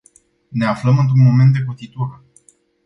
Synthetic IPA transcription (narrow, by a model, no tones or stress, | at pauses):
ne̞afləmɨnt̪̬ɾunmo̞me̞nt̪̚d̪ekot̪it̪or